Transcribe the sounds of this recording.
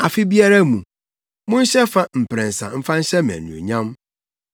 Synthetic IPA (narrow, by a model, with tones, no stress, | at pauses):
a˨fɪ˦bi˦a˦ɾa˦mũ˨ | mʊ̃˦n̩˦ɕɛ˦fa˦m̩˨pɾɛ̃˨n̩˨sã̰˨m̩˦fã˦n̩˦ɕɛ˦mɛ̰̃˨nũ˨o̰˨ɲã˦m